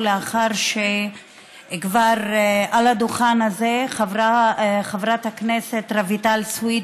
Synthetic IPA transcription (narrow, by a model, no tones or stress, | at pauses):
leaχaʁʃe | kvaʁʔalad̪uχanazeχavaχavɾathaknese̞t̪ʁevitalswid